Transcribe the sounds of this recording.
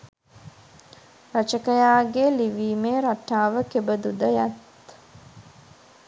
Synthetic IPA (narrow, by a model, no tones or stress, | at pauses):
rat͡ʃəkəjaːɡeliʋiːmeːɾaʈːaːʋəkebəd̪ud̪əjat̪